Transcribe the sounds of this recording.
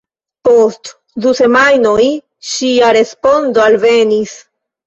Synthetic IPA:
po̞st | duse̞majno̞j | ʃiaɾe̞spo̞ndoalve̞nis

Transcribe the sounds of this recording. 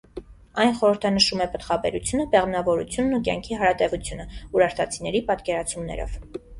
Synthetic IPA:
ɑjnχɔɾəɾt̪ʰɑnəʃumɛpət̪χɑbɛ̰ɾut͡sʰjunəpɛʁmnɑvɔɾṵt͡sʰjunːuk̬jɑ̰ŋkʰiɦɑɾɑt̪ɛvut͡sʰjunəuɾɑɾt̪ʰɑt͡sʰinɛɾipɑt̪kɛɾɑt͡sʰumnɛ̰ɾɔ̰v̥

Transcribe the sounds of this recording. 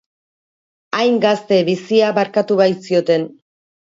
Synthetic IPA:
ajŋɡast̪e̞βisiaβaɾkat̪uβajsio̞t̪e̞n

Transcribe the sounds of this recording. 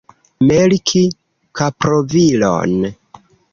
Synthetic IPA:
melkʰi | kapɾovilo̰n

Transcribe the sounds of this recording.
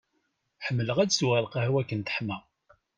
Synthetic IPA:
ħəmːələʁædsuʁælqɑhwækːənt̪ə̥ħmæ

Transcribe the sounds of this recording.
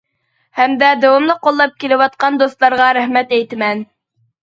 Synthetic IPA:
hæmd̪æd̪æwɑmlˠɤqŏlˠːɑp̚kilɘwɑt̪̚qɑnd̪ost̪lˠɑɾʁɑɾæχmæt̪æjt̪mæn

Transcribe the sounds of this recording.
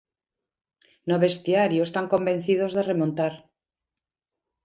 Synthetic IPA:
noβe̞st̪iaɾjoest̪aŋko̞mbe̞n̟θiðozðeremont̪aɾ

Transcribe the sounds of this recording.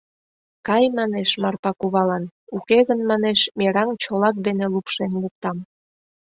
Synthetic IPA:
kɑjmɑneʃmɑrpɑkuβɑlɑnukeɣənmɑneʃmʲeɾɑŋt͡ɕolɑk̚d̪enelupʃenluk̚t̪ɑm

